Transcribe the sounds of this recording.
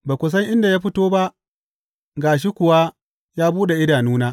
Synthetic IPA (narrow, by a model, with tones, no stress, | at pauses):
baː˨kʷʊ˨s̬ɐ˦ŋʔɪ˦nda˨ja˦ɸɪ˦toː˦ba˦ʔ | ɡaː˨ʃ̬i˦kʷʊ˨wa˦ | jaː˦buː˦ɗe˨ʔɪ˦daː˨nuː˦naː˦